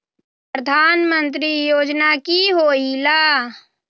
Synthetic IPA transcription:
p | əd̪ʱaːnmə̃nt̪̬ɾijoːd͡ʒnakiɦoːilaː

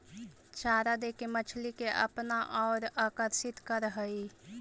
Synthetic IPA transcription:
t͡ʃaːɾad̪ekemət͡ʃʰlikeʔə̰pnaʔɔːɾaːkəɾsɪt̪kəɾɦəi

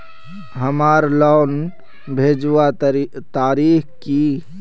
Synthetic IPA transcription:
ɦəmaːɾlɔn | bʱeːd͡ʒʋat̪aːɾiːxki

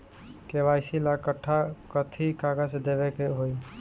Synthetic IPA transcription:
keʋajsilakəʈʰːakət̪ʰikaɡasd̪eβɛkeɦoj

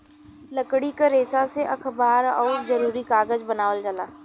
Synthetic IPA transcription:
lɐkɽikaɾeːsaseʔɐkʰbaːɾɔːɾzɐɾuːɾikaːɡəd͡ʒbɐnaːʋəld͡ʒəlaː

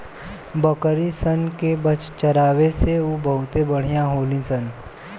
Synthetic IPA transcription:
bəkəɾisənkebət͡ʃt͡ʃəɾaːʋeseubəɦʊt̪ebəɽ̤ijãɦoːlĩsən

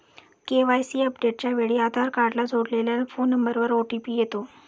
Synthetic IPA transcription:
keʋajsiːəpɖeʈ̚t͡ɕjaʋeɭiːad̪ʱaɾkaɽlad͡zʱoɽleljafonːəmbəɾʋəɾoʈipiːjet̪o

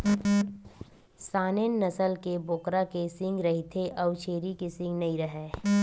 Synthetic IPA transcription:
saːnenːɐsəlkeboːkɾakesɪ̃ŋɡɾɐɦit̪ʰeʔɐwt͡ʃʰeːɾikesɪ̃ŋɡnɐɦĩɾɐɦɛː

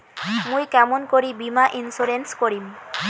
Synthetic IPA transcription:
mũjkɛmonkoɾibimaʔinsuɾenskoɾim

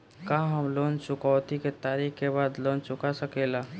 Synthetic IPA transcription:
kaɦəmlont͡ʃʊkaʊt̪iket̪aːɾikkebaːd̪lont͡ʃʊkasəkela

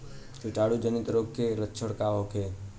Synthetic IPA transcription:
kɪʈaːɽud͡ʒənɪt̪ɾoːɡkːʰeɾətːt͡ʃʰəɽkaːʋokʰeː

